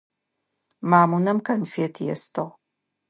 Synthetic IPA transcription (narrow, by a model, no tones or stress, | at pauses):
maːmunɐmkʰɐnfeːtʰjɛ̰stʰɨʁ